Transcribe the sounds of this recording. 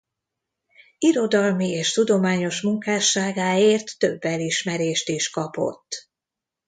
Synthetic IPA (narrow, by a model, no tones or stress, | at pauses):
iɾo̞d̪ɒlmieːʃt̪ud̪o̞maːɲo̞ʃmuŋkaːʃːaːɡaːeːrt̪ːø̞bːɛliʃmɛɾeːʃt̪iʃkɒpo̞̰t̪ː